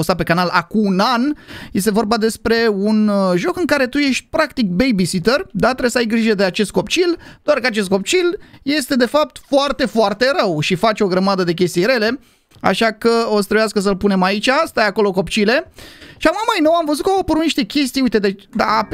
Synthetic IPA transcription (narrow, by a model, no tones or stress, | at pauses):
ost̪at̪̚pe̞kanalakuːnanje̞st̪e̞vo̞rbad̪e̞spɾe̞unʒo̞kɨŋkaɾe̞t̪uje̞ʃt̪̚ʲpɾakt̪ik̚bejbisit̪erd̪at̪ɾesəajɡɾiʒəd̪eat͡ʃe̞st̪̚ko̞pt͡ʃild̪oarkəat͡ʃe̞s̬t̪ko̞p̚t͡ʃilje̞st̪e̞d̪e̞fap̚t̪foart̪e̞foart̪e̞ɾəwʃifat͡ʃʲo̞ɡɾəmad̪əd̪e̞k̬ʲe̞st̪ijɾe̞le̞ | a̰ʃakəost̪ɾebeaskəs̬əlpune̞mait͡ʃʲast̪ajako̞lo̞ko̞pt͡ʃile̞ʃamamajnowamvəzut̪kəopuɾuniʃt̪e̞kʲe̞st̪ijuijt̪e̞d̪ed̪a